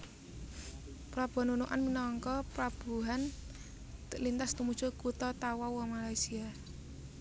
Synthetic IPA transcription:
pɾab̥ɔ̤nunuʔa̰nminɔŋkɔpɾab̥ṳɦan | t̪əʔlint̪ast̪umud̥ʒ̥o̤kut̪ɔt̪awɔwɔmalaisia

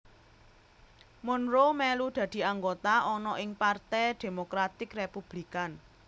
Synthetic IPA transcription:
mʊnɾomɛlud̪̥ä̤d̪̥i̤aŋɡot̪aʔɔnɔʔɪŋpart̪ɛjd̪̥e̤mokɾat̪ɪkrepub̥likan

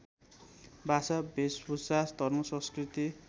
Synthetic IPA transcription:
bʱasabʱesbusast̪ʌrmosʌ̃skrit̪i

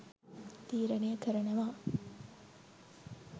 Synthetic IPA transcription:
t̪iːɾɐnejəkəɾɐnɐʋaː

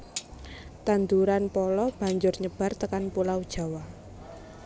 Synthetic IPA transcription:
t̪and̪uɾanpɔlɔb̥a̤ɲd͡ʒʊrɲəb̥a̤rt̪əkanpulawd̥ʒ̥a̤wa

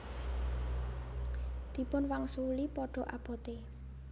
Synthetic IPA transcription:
d̪̥i̤pʊnwaŋsulipɔɖ̥ɔ̤ʔab̥ɔ̤t̪e

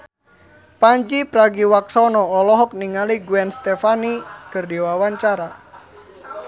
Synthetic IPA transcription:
paɲd͡ʒipɾaɡiwaksɔnɔːlɔɦɔk̚niŋaliɡuɛnst̪ɛfanikərdiwawaɲt͡ʃaɾa

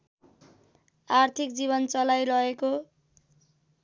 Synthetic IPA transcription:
art̪ʰik̚d͡ziβʌnt͡sʌlajɾʌeko

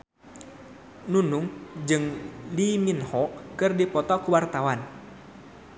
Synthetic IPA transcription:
nunuŋd͡ʒɨŋliminhɔkɨrdipɔt̪ɔkuwart̪awan

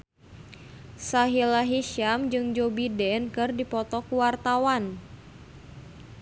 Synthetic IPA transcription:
saɦilaɦiʃamd͡ʒɨŋd͡ʒobidɛnkɨrdipɔt̪ɔkuwart̪awan

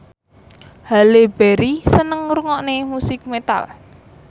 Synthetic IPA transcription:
haleb̥ɛɾisənəŋɾuŋɔʔnemusɪk̚met̪a̰l

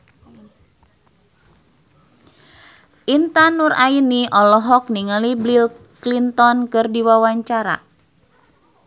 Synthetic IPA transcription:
ʔint̪anurʔainiʔɔlɔɦɔk̚niŋəliblil | klint̪ɔnkɨrdiwawaɲt͡ʃaɾa̰

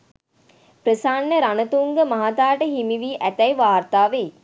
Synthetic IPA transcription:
pɾəsaːnːəɾanət̪uŋɡəmaɦat̪aːʈəɦimiʋiːʔæt̪æjʋaːrt̪aːʋej

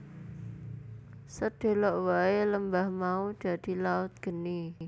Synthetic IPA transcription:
səd̪̥e̤lɔʔwaeləmbahmaud̪̥ä̤d̪̥i̤laʊt̪̚ɡ̥ə̤ni

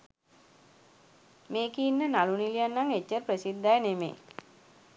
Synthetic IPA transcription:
meːkiːnːənalunilijanːaŋet͡ʃːərprəsid̪ːajənemḛː

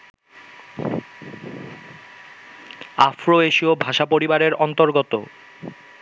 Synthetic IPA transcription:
afɾoeʃiobʱaʃapoɾibaɾeɾɔnt̪oɾɡot̪o

